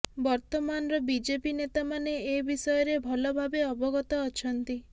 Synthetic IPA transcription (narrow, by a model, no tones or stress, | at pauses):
bɔɾt̪ɔmanɔɾɔbid͡ʒepinet̪amaneːbisɔjɔɾebʱɔlɔbʱabeɔbɔɡɔt̪ɔːt͡ʃʰɔnt̪i